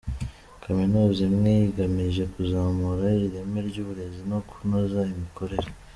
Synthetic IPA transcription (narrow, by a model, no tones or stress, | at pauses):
kʰaminuːzimŋejiɡamiʒe̞kuzaːmuɾaiɾiɾe̞meɾɟuːβuɾe̞zinoku̥nozaimikʰo̞ɾe̞ɾa